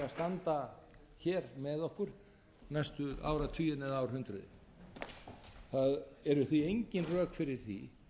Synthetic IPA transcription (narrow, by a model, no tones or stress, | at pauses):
ast̪ant̪a | çɛːɾmɛðɔhkʏɾ̥ | najst̪ʏa̰ːwɾat̪ʰyːɪnɛðaːwɾhʏnt̪ɾʏðɪ̰ | θaðɛɾʏθiejɲcɪnrœːkfɪɾɪɾ̥θḭ